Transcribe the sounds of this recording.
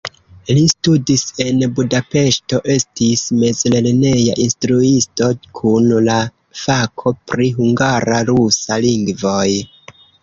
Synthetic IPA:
listudise̞nbudape̞ʃto̞ʔe̞stisme̞zlelne̞ja̰ʔinstɾuisto̞kʰunla | fakʰo̞pɾiɦuŋɡaɾaɾusaliŋɡvo̞j

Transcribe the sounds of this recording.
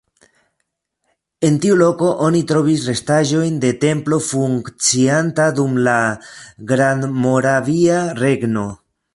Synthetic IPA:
e̞ntiulo̞ko̞ʔo̞nit̪ɾo̞visre̞staʒo̞jnde̞te̞mplo̞fuŋkt͡siantadumlaɡɾanmo̞ɾaviaɾe̞ɡno̞

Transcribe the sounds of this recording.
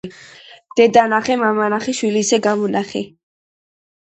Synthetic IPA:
d̪̥ɛd̪anaχɛmamanaχiʃwiliːsɛɡamɔnʔaχɛ̰

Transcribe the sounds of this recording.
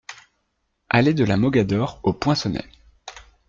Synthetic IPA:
aled̪əlamɔɡʲad̪ɔʁopwɛ̃sɔnɛ̰

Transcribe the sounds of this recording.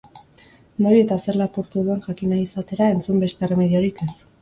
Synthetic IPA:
no̞ɾie̞t̪ase̞ɾlapuɾt̪uðue̞nʝakinaisat̪e̞ɾae̞nt͡sumbe̞st̪ere̞me̞ðio̞ɾike̞s

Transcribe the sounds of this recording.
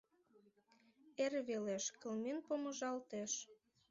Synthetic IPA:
erβeleʃkəlmenpomə̆ʒɑlt̪eʃ

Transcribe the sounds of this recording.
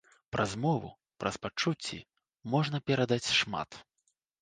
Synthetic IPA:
pɾʔɐzmɔvṵ | pɾɐspat͡ʂut͡sʲːḭ | mɔʐnɐpʲɛɾɐd̪at͡sʲʂma̰t̪

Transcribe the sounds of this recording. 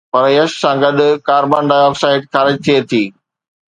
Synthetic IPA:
pɐɾjɐʃsãːɡɐɗ̪̆kaːɾbaːnɖaːjaːbsaːɪʈxaːɾɪd͡ʑt̪ʰiet̪ʰiː

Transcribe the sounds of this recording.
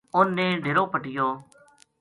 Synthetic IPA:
ʊnːẽːɖʱeːɾoːpəʈɪjoː

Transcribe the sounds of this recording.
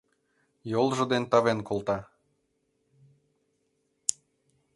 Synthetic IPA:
jolˠʒɤ̆d̪ent̪ɑβenkolˠt̪ɑ

